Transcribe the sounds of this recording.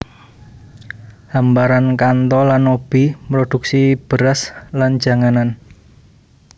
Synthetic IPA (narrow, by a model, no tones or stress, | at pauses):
hambaɾankant̪ɔlanːob̥i̤mɾod̪̥ṳksib̥ə̤ɾaslan̥d͡ʒ̥a̤ŋanan